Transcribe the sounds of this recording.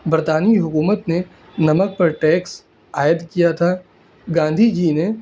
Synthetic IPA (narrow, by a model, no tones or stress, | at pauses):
bəɾt̪aːniɦʊkuːmət̪ne | nɐmək̚pɐɾʈɛːks | aːjəd̪kijat̪ʰaː | ɡãːn̆d̪ʱid͡ʒine